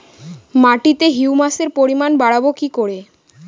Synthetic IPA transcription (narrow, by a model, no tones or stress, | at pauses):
maʈit̪eɦiumaseɾpoɾimanbaɽabokikoɽe